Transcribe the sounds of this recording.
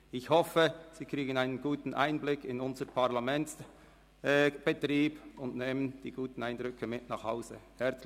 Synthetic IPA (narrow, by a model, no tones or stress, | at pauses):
ɪçhɔfəz̥iːkʁ̥iːɡən̩aɪnənɡuːtn̩ʔa̰ɪnblɪkʰɪnʊnzəəpʰaɐlamɛnts | b̥ətʁiːb̥ʊndneːmənd̥iːɡ̥uːtn̩aɪnd̥ʁʏkʰəmɪtnɑːχhaʊzəhɛɐt͡ss